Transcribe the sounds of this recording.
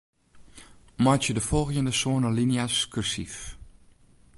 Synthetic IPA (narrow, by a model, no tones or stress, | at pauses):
matjədəfɔlˠxjəndəsoənəlinjaskʰyrsif